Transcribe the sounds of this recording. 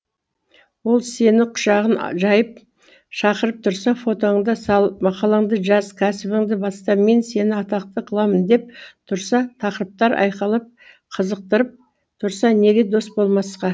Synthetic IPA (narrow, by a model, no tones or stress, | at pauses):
wo̞lˠse̞nɪqʰʊ̥ʃɑʁənʒɑjəp̚ | ʃɑqəɾəp̚t̪ʰʊɾsɑfo̞t̪o̞ɴd̪ɑsɑlˠmɑqɑlˠɑɴd̪əʒɑzkʲʰæsɪbɪŋd̪ɪbɑst̪ɑme̞nse̞nɪɑt̪ɑq̚t̪əqʰəlˠɑmənd̪e̞p̚t̪ʰʊɾsɑt̪ʰɑqəɾəp̚t̪ɑɾɑ̰jqɑlˠəp̚ | qʰəzəq̚t̪əɾəp̚ | t̪ʰʊɾsɑne̞ɡʲe̞d̪o̞st̪̚bo̞lˠmɑsqɑ